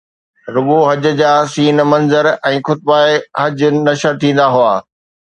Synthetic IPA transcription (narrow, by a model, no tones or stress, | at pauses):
ɾʊɠoɦɐd͡ʑ̆d͡ʑaːsiːnmɐ̃nzəɾɛ̃ːxʊt̪̚baːeɦɐd͡ʑʊnɐʃəɾt̪ʰĩːn̆d̪aɦʊaː